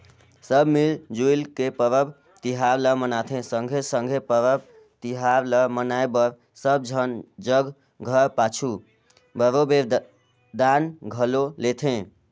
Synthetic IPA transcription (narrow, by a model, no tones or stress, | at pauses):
səbmild͡ʒujlkepəɾəb | t̪iɦaɾləmənat̪ʰẽsəŋɡʱesəŋɡʱepəɾəb̚ | t̪iɦaɾləmənajbəɾ | səb̚d͡ʒʱənd͡ʒəɡ | ɡʱəɾpat͡ʃʰu | bəɾobeɾ | d̪anɡʱəlolet̪ʰẽ